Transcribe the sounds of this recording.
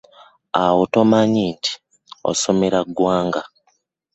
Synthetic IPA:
awotomaɲiːntʰi̥ | o̰so̞me̞ɾaɡwaːŋɡa

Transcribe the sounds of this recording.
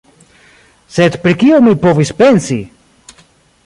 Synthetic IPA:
set̪pɾikiomipovispensi

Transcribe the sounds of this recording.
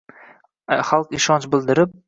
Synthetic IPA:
χalˠqɪʃɒnt͡ʃbɪlˠd̪ɪɾɪp̚

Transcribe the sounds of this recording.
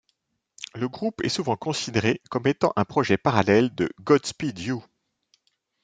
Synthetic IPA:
ləɡʁupɛ̰suvɑ̃kɔ̃sid̪eʁekɔmet̪ɑ̰̃ʔɛ̃pχɔʒɛpaʁalɛld̪əɡɔd̪spid̪ju

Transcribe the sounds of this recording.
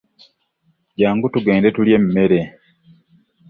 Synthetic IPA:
ɟaːŋɡutuɡe̞ːndetuljem̩me̞ɾe

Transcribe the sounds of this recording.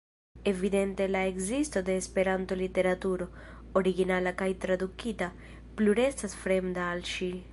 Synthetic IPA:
evid̪ɛnt̪elaeɡzist̪od̪eːspeɾant̪olit̪eɾat̪uːɾo | oɾiɡinalakajt̪ɾad̪ukit̪a | pluɾɛssasfɾɛmd̪aːlʃi

